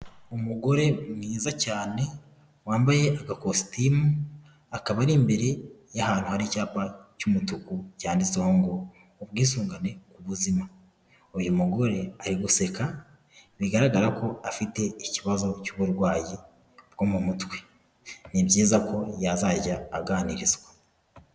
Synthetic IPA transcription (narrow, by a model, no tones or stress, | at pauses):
umuɡo̞ɾe̞mŋiːzacaːne̞ | waːmbaje̞ʔaɡakosi̥timu | akaβaɾimbe̞ɾe̞jahaːn̥huhaɾicaːpacumutukucaːndit͡seho̞ŋɡoː | βɡiːsuːŋɡane̞kuβuzima | oβjumuɡo̞ɾe̞aɾiɡuse̞ka | βiɡaɾaɡaɾako̞afite̞iciβazo̞cuβuɾɡwaːji | bɡomumutwe̥ | nibjiːzakʰo̞jazaɟaːɡaːniɾizɡwa